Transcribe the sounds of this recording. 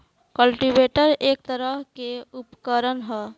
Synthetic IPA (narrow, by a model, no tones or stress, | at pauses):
kəlʈibeʈəɾek̚t̪əɾəɦkeupkəɾənɦɛ